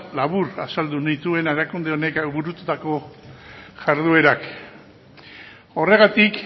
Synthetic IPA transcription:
laβuɾa̰sald̪unit̪ue̞neɾakund̪e̞o̞ne̞kβuɾut̪ut̪ako̞ | ʝaɾðue̞ɾak | o̞re̞ɣat̪ik

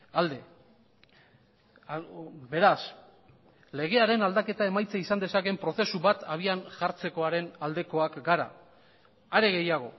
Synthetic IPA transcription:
ald̪e | be̞ɾas | le̞ɣ̞e̞aɾe̞nald̪ake̞t̪ae̞majt͡saisand̪e̞sake̞mpɾo̞θe̞suβat̪aβ̞ianʝaɾt͡se̞ko̞aɾe̞nald̪e̞ko̞akɡaɾa̰ | aɾeɣe̞jaɣ̞o̞̰

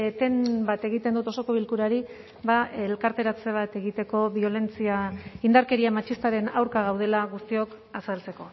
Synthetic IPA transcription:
t̪e̞nbat̪eɣ̞it̪e̞nd̪ut̪o̞so̞ko̞βilkuɾaɾi | βaelkaɾt̪e̞ɾat͡se̞β̞at̪e̞ɣit̪e̞ko̞βio̞le̞nt͡siaind̪aɾke̞ɾiamat͡ʃist̪aɾe̞nawɾkaɣ̞awð̞e̞laɣust̪io̞k | asalt͡se̞ko̞

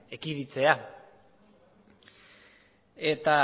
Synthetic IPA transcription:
ekiðit͡se̞a | e̞t̪a

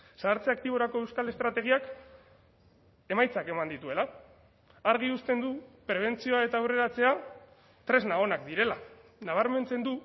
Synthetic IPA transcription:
saːɾt͡se̞ak̚t̪iβ̞o̞ɾako̞e̞wskale̞st̪ɾat̪e̞ɣ̞iak | e̞majt͡sake̞mand̪it̪ue̞laː | ɾɣ̞iust̪e̞nd̪upɾe̞β̞e̞nt͡sio̞ae̞t̪aːwre̞ɾat͡se̞a | t̪ɾe̞znao̞nak̚d̪iɾe̞lanaβ̞aɾme̞nt͡se̞nd̪u

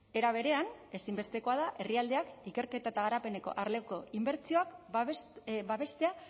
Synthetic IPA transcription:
e̞ɾaβ̞e̞ɾe̞ane̞simbe̞st̪e̞ko̞að̞aʔe̞riald̪e̞akike̞ɾke̞t̪at̪aɣ̞aɾape̞ne̞ko̞̰ʔaɾle̞ko̞imbe̞ɾt͡sio̞ak | baβe̞st̪e̞a

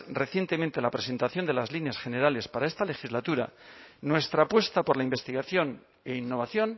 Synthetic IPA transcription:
re̞θje̞nt̪e̞ment̪e̞lapɾe̞se̞nt̪aθjo̞nd̪e̞lazlinjasxe̞ne̞ɾale̞spaɾaest̪ale̞xizlat̪uɾa̰nwe̞st̪ɾapwe̞st̪apo̞ɾlaimbe̞st̪iɣaθjo̞n | e̞inːo̞βaθjo̞n

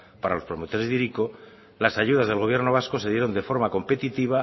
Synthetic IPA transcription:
paɾalo̞spɾo̞mot̪o̞ɾe̞zðiɾiko | lasaʝuð̞azð̞e̞lɣ̞o̞β̞je̞ɾno̞β̞asko̞se̞ðje̞ɾo̞nd̪e̞fo̞ɾmako̞mpe̞t̪it̪iβ̞a

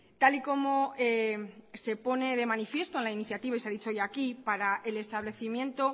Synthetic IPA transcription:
t̪aliko̞mo̞ese̞po̞ne̞ðe̞mãnifje̞st̪oenlainiθjat̪iβais̬eaðit͡ʃoojakipaɾaʔe̞le̞st̪aβle̞θimjẽ̞nt̪o̞

